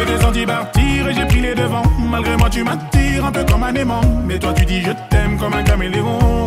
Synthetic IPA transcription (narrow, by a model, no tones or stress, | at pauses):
ɛk̪ezɑ̃t̪ibaʁt̪iʁeʒepχiled̪əvɑ̃malɡʁemwat̪ymat̪iʁɛ̃pøkɔmanemɑ̃mɛt̪wat̪yd̪iʒət̪ɛmkɔmɛ̃kameleɔ̃